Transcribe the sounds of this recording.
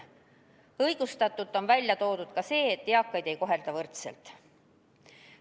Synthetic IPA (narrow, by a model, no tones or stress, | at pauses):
ɤjɡ̥ust̪ɑt̪ːˑut̪ːˑonvælʲjɑt̪o̞ːd̪̥ud̪̥kɑse̞ːet̪ːeɑkːˑɑjd̪̥e̞jko̞ɦe̞ld̪̥ɑvɤrt̪sḛlt̪